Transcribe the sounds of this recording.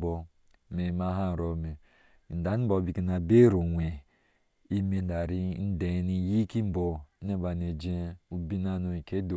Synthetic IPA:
bo˨˦ | me˨ma˦ɦa˦˨ɾo˨me˨ | n̩˨da˨ni˦bo˨bi˨ki˦na˨be˦ɾo˨wʷe˨ | i˦me˨n̩˦da˨ɾi˦n̩˦de˨˦ni˦ji˦ki˦m̩˦bo˨˦ne˦ba˨n˨e˨d͡ʒe˦u˦bi˦na˦no˦i˨ke˦do˨

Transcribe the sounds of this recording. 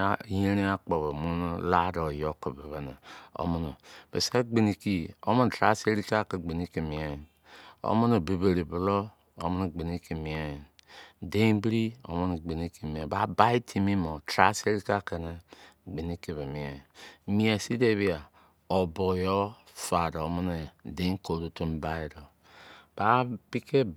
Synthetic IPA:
je˦ɾi˦a˦k͡po˨βo˨mu˦n˦la˦do˨jo˦ko˨be˨βɛ˨na˨o̰˦mu˦nu˨bḛ˨se˦ɡ͡bi˨ni˨ki˨o̰˦mo˦˨tɾa̰˦se˦ɾi˦ka˦˨ke˨ɡ͡be˨ni˦ki˨mi˨e˦˨ | o̰˦mu˦no˨bi˨be˨ɾi˨bu˨lo˦ | o˦mo˦nu˨ɡ͡be˨ni˦ki˨mĩ˨e˦˨de˦ĩ˦bi˦ɾi˦o̰˨˦mo˦n˨ɡ͡be˨ni˦ki˨mi˨a˨ba˨˦ba˦i˦tʰi˦˨mi˦mo˨tɾa̰˦se˦ɾi˦ka˦˨ke˨ne˦ɡ͡be˨ni˦ki˨βe˨mi˨a˨mi˨˦a˨si˦de˦βi˦a˨ | o˨bo˨jo˦ | fa˨do˨˦mo˦ne˨de˦ko˨ɾu˦to˦mba˦i˦ɾo˨ | b̥a˦pi˦ke˦

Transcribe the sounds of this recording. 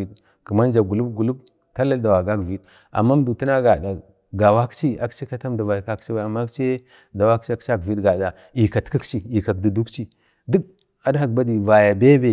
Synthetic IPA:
i˨d | kə˨ma˦nd͡ʒa˨ɡu˨lu˦bɡu˨lu˦b | ta˦la˦da˨wa˨ɡa˦kvi˦d | a̰˨mːa˦m˦du˨tu˦na˦ɡa˨da˨ | ɡa˨wa˦kt͡ʃi˦a̰˨kt͡ʃi˦ka˦ta˦mda˨va˨jka˦kt͡ʃi˦wa˨a˨mːa˦kt͡ʃe˦ | da˨wa˦kt͡ʃi˦a˦kt͡ʃa˦kvi˦dɡa˨da˨ | i˨ka˨tki˦kt͡ʃi˦i˨ka˨k̚di˨du˦kt͡ʃi˦ | du˦k̚ | a˨dha˨kba˦di˨va˨ja˨be˦be˨

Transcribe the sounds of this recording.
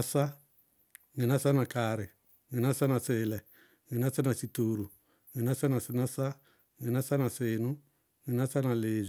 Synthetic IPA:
a˦sa˦ | ŋi˨na˦sa˦na˨ka˨ɾɪ˨ | ŋi˨na˦sa˦na˨sɪː˨lɛ˨ | ŋi˨na˦sa˦na˨si˨toː˨ɾu˨ | ŋi˨na˦sa˦na˨sɪ˧na˦sa˦ | ŋi˨na˦sa˦na˨sɪː˨nʊ̃˦ | ŋi˨na˦sa˦na˨leː˨z

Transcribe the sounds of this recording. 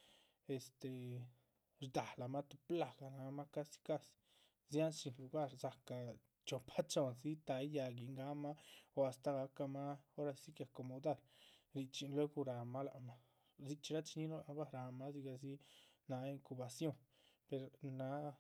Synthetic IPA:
e˨st̪e˨ | ɾd̪a˨la˨ma˦t̪u˧˨pla˧˨ɡa˨na˧˦ma˦ka˦si̥˧ka˦s | zja˦nʃi˨nlu˧ɡa˦ɾza˨ka˨ | t͡ʃo˨pʰa˦t͡ʃo˧˨nsi˦t̪a˧˦ja˧ɡi˨ŋɡa˦ma˦o˧a˧st̪a˧ɡa˧˦ka˧ma˦o˦ɾa˧si˦kja˨ko˨mo˨d̪a˦˨ɾɾi˧˨t͡ʃi˧nlwe˦ɡu˧ɾa˨ma˦la˨ʔma˦ | zi˧t͡ʃi˧ɾa˦t͡ʃi˧ni˦no˦la˨˦ba˦ɾa˧ma˦zi˧ɡa˧zi˦na˧˦i˧ŋku˧ba˨sjo˦ŋ | pe˨ɾna˨˧˦

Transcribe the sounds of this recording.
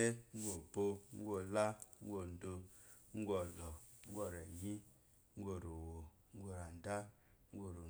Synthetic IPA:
e˦ŋ̩˦ɡʷo˨bo˧ŋ̩˦ɡo˦la˦ŋ̩˦ɡo˨n˨do˧ | ŋ̩˦ɡo˨lɔ˨ŋ̩˦ɡʷɔ˦˨ɾa˨ji˦ | ŋ̩˦ɡʷo˨ɾo˨wo˨ | ŋ̩˦ɡo˨ɾa˨n˨da˦ | ŋ̩˦ɡo˨ɾo˨

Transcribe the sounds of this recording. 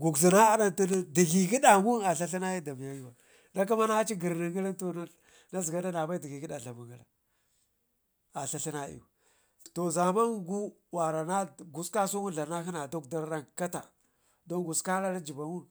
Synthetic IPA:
ɡu˨ɡzi˨na˦a˦na˦nti˦n˦di˨ɡi˨ɡi˦da˨mu˦a˨ɬa˦ɬi˦na˦ji˦da˨mi˨ja˦ju˦wa˨ | na˦k̬a˦ma˦na˦a˦t͡ʃi˦ɡi˨ɾni˨ɡi˦la˦to˨na˦ | na˦zi˨ɡa˦da˦na˨ba˦i˦di˨ɡi˨ɡi˦da˨ɬa˨mu˨ŋɡa˨la̰˨ | a˨ɬa˦ɬi˦na˦ḭ˨u˨ | to˨za˨ma˦nɡu˦ | wa˨ɾa˨na˦ɡu˨ska˦su˦ŋu˦ɮa˨na˦xi˦na˨do˦kda˦ɾa˦nka˦ta̰˨ | do˦nɡu˨ska˦ɾa˦ɾa˦d͡ʒi˨ba˨ŋu˦n

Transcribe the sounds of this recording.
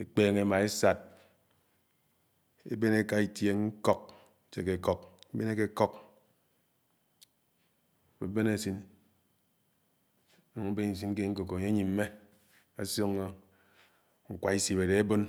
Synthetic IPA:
e˨k͡peː˦ŋe˨˦ma˨e˦sa˨t̚ | ḛ˦be˦ne˦ka˦i˨tje˨ŋŋ̩˦kɔ˦k̚ | t͡ʃe˨ke˨kɔ˨k̚be˦ne˦ke˦kɔ˦k | be˨˦be˦ne˦˨si˦n˦ | nu˨ŋe˦be˦ni˨s̬i˦n˦ke˦ŋ̩˦ko˨ko˨ɲe˦ɲi˨m̩˦me˦ | a˨so˦ŋːo˦ | ŋ̩˨kʷa˨i˦si˨be˨de˨e˦bo˦n

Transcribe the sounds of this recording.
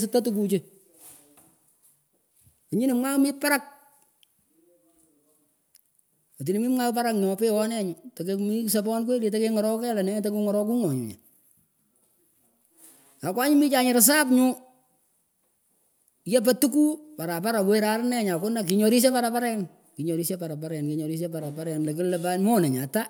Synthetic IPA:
s̬ɪ˦tːa˦tuk̬u˧t͡ʃe | o˨ɲi˦nɪ˨mwa˦mɪ˦pa˦ɾa˦k̚ | ɔ˨t̬i˨nɪ˨mi˦mŋa˦pa˦ɾakɲɔ˨pe˦wɔ˦nɛ˦ɲʊta˨kemi˦s̬ɛ˨pɔ˦nk̬ʷwe˦li˨ta˦ke˦ŋɔ˨ɾɔ˦kɛ˦la˨nɛ˦te˦ku˦ŋɔɾɔ˦k̬u˦ŋɔ˨ɲṵ˨ɲa̰˨ | a˨kwa˦ɲʊ˦mi˦t͡ʃa˨ɲɪ˨ɾs̬a˦pɲʊ˦ | jɛ˦p̬a˦tu˦k̬u˦pa˨ɾa˨pa˦ɾa˨weɾa˨ɾnɛ˦ɲa˨kʊ˦nda˨k̬i˨ɲɔ˨ɾi˦s̬ɛ˦pa˦ɾa˨pa˦ɾɛ˦n | ki˨ɲɔ˨ɾi˦se˦pa˨ɾa˨p̬a˦ɾɛ˨nki˨ɲɔ˨ɾi˦s̬ɛ˦pa˨ɾa˨paɾɛ˨nle˨k̬ɪ˦llɛpanmɔ˦nɛ˨ɲa˨ta˦

